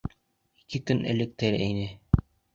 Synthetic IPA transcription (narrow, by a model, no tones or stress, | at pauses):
ikɘkɵnʔɘ̰̆lɘ̆k̚t̪ɘɾæjnɘ